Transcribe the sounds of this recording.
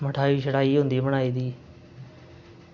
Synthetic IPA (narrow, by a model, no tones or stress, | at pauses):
məʈʰaːiʃəɽaːiːɦʊ̃ːnd̪iːməɳaːiːd̪iː